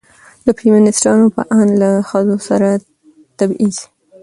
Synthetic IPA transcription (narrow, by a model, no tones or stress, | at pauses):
d̪əpimanɪsʈɑnopə̰ʔanlaxəzosaɾa | t̪abiz